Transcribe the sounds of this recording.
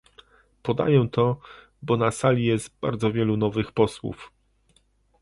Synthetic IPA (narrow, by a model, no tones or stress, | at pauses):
pɔd̪a̰jɛt̪ʰɔ | bɔnasalʲijɛst̪ba̰ɾd̪zɔvʲjɛlunɔvɘxpɔswṵf